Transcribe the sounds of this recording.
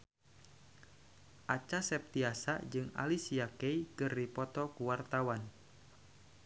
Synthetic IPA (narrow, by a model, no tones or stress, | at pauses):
ʔat͡ʃasɛp̚t̪iasa̰d͡ʒɨŋa̰lisiakɛikɨrdipɔt̪ɔkuwart̪awan